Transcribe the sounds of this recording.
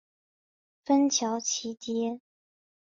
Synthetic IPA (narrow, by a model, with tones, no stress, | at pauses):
fə˥nt͡ɕʰjɑ˧˥ʊt͡ɕʰi˧˥t̪jɛ˥